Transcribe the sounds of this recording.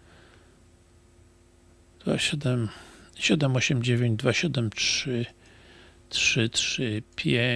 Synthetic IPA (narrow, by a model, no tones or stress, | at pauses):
d̪̥va̰ɕɛd̪ɛmɕɛd̪ɛmɔɕɛmd͡ʑevʲẽɲd͡ʑd̪vaɕɛd̪ɛmtʂɘ | tʂɘtʂɘpʲʰje